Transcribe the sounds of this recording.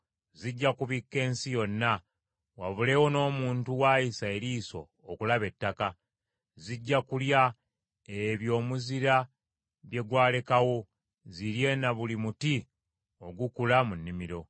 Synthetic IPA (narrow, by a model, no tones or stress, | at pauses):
ziɟːakuβikːe̞ːnsijo̞nːa | waβule̞ːwo̞no̞ːmuːntuwaːjisae̞ɾiːso̞̰ːkulaβe̞tːaka | ziɟːakulja | eβjo̞ːmuziɾa | βje̞ɡwaːle̞kawo̞ | ziɾje̞ːnaβulimuti | o̞ɡukulamunːimiɾo̞